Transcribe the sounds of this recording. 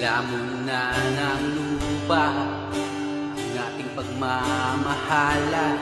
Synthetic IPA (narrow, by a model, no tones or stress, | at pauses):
lamʊ | nanaŋlupa | ŋaʔɪŋpɐɡ̚mamahala